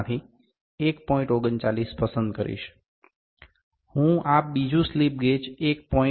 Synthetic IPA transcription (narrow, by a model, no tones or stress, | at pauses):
t̪ʰi | ekpɔĩɳʈoɡənt͡ʃalispəsənd̪kəɾḭʃ | hũap̚bid͡ʒũslip̚ɡet͡ʃek̚pɔ̃